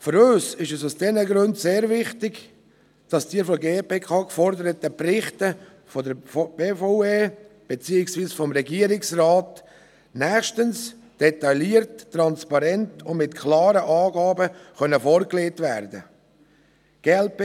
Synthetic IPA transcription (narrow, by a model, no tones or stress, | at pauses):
fʏɾøːsɪʃɛsusd̥ɛnəɡɾʉndseːɾvɪχtɪɡ | d̥ɑsd̥iəɾfɔɡeːpeːkʰɑːkfɔɾdəɾətəprɪχtə | fɔdəɾb̥eːfoʊeːb̥et͡siːɪksviːsfɔmɾɛɡiəɾɪksrɑːt | næːʃtəns | d̥ɛtɑliəɾtːrɑnspɑɾɛntʊndmɪtkʰlɑːɾəʔɑːɡɑːbəχœnəfɔɾkleːtvæɾd̪ə̰ | ɡ̥elp